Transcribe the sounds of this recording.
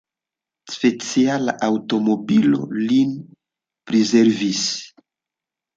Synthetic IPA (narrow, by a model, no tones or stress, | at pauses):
spet͡siala̰ʔautomobilo̰lin | pɾizɛɾvis